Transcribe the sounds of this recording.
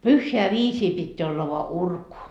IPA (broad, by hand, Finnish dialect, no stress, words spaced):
pyhːeæ ʋiːsiː pitːeæ olːɑ ʋoɑ urku